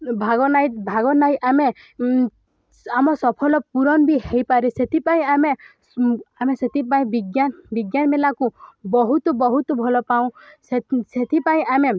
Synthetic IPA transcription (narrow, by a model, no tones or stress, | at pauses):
bʱaɡɔnajt̪bʱaɡɔnajʔame | amɔsɔpʰɔlɔpuɾɔnbiɦejpaɾeset̪ʰipaĩame | ameset̪ʰipaĩbiɡjanbiɡjanɔmelakubɔɦut̪ɔbɔɦut̪ɔbʱɔlɔpaũseset̪ʰipaĩʔame